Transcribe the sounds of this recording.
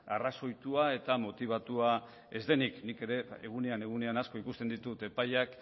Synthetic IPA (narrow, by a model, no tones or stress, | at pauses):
a̰raso̞jt̪uae̞t̪amo̞t̪iβ̞at̪ua | e̞zd̪e̞niknike̞ɾe̞eɣ̞une̞ane̞ɣ̞une̞anasko̞ikust̪e̞nd̪it̪ut̪e̞pajak